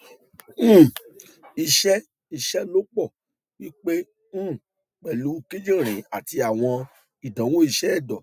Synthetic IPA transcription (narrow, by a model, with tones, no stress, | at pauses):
i˧ʃɛ˦ | i˧ʃɛ˦lo˦k͡pɔ˦˨ | wi˦k͡pe˦ | ñ̩ː˦˨ | k͡pɛ˨lu˨˦ki˦d͡ʒĩ˦˨ɾ̃ĩ˨˦a˨ti˧a˨w̃ɔ̃˧ | i˨dã˨˦wo˦i˧ʃɛ˦ɛ˦˨dɔ˨